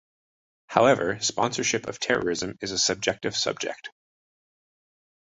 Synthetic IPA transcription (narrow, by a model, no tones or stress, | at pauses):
haʊɛvə˞spɑ̃nsə˞ʃɪpʰʌ̰v̥tʰɛɹə̰˞ɪzɨ̃mɨzɨsɨb̚d͡ʒɛk̚tɨv̥sʌ̰b̚d͡ʒɪ̰k̚t